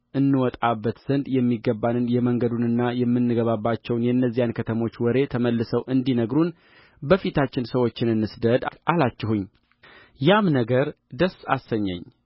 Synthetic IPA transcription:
ʔɨnːɨwɔt̪ʼabːət̪z̥ənd̪jɛmːiɡːəbːanɨnjɛməŋɡəd̪unɨnːajɛmːɨnːɨɡəβabːat͡ʃːɛwnjɛɨnːəzːijankʰət̪ʰəmo̞t͡ʃːwɔɾe̞t̪ʰəməlːɨsəwʔɨnd̪inəɡɾun | bəfit̪ʰat͡ʃːɪnsəwo̞t͡ʃːɪnɨnːɨsd̪əd̪ʔalat͡ʃːɛhuɲː | jamnəɡəɾ | d̪əsːa̰səɲːɛ̰ɲː

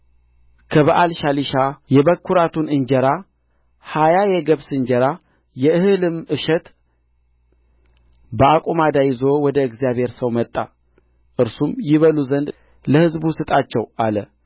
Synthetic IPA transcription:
kʰəβaʔalʃaliʃajɛβəkʰːuɾat̪ʰunɨɲd͡ʒɛɾa | hajajɛɡəβsɨɲd͡ʒɛɾa | jɛɨhɨlɨmɨʃɛt̪ | bəakʼumad̪ajɪzo̞wɔd̪əɨɡzijaβhe̞ɾsəwmət̪ʼːa | ʔɨɾsumjɪβəluzənd̪ | ləhɨzbusɨt̪ʼat͡ʃːɛwʔalə

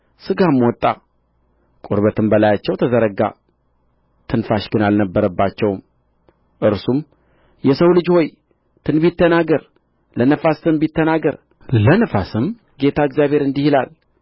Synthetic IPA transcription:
sɨɡamwɔt̪ʼːa | kʼoɾβət̪ʰɨmbəlajat͡ʃːɛwt̪ʰəzəɾəɡa̰ | t̪ʰɨnfaʃɡɨnalnəbːəɾəbːat͡ʃːɛwm | ʔɨɾsum | jɛsəwlɨd͡ʒho̞j | t̪ʰɨnbit̪ʰːənaɡəɾ | lənəfast̪ɨmbit̪ːənaɡəɾ | lənəfasɨm | ɡe̞t̪ʰaɨɡzjaβe̞ɾɨnd̪ihilal

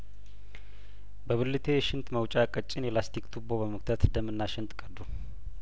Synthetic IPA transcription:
bəβɨlːɨt̪ʰe̞jɛʃɪnt̪məwt͡ʃʼakʼət͡ʃʼːɪnjɛlast̪ʰikt̪ʰuboβəməkt̪ʰət̪ɨd̪əmːɨnːaʃɪnt̪ʼkʼəd̪u

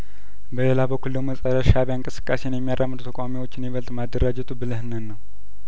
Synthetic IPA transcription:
bəlelabəkʷːuldəməsʼəɾəʃaβjaɨŋkʼɨsɨ̥kʼːasenjɛmːijarʔamːɨd̪ut̪ʰəkʼawamiwo̞t͡ʃːɪnjɪβəlt̪ʼmad̪ːəɾad͡ʒɛt̪ʰubɨlɨhnɨnːəw

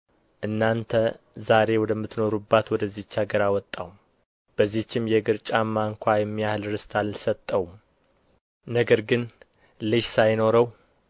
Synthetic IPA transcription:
ʔɨnːant̪ʰə | zaɾe̞wɔd̪əmːɨt̪no̞ɾubːat̪wɔd̪əzːit͡ʃːaɡəɾawɔt̪ʼːa̰wum | b̥əzːiht͡ʃːɪmjɛɡɨɾt͡ʃʼamːaŋkʰʷajɛmːijahlɾɨst̪ʰallsət̪ʼːəwum | nəɡəɾɡɨn | lɨʃsajno̞ɾəw

